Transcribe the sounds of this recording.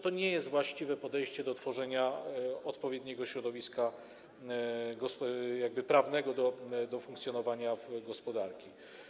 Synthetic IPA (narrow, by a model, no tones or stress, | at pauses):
t̪ɔɲɛjɛst̪vwaɕt͡ɕivɛpɔd̪ɛjɕt͡ɕɛd̪ɔt̪fɔʐɛɲaɔt̪pɔvʲjɛd̪ɲɛɡɔɕɾɔd̪ɔvʲiska | ɡɔsjaɡ̚bɘpɾavnɛɡɔd̪ɔd̪ɔfũŋkt̪sʲjɔnɔvaɲavɡɔspɔd̪aɾkʲi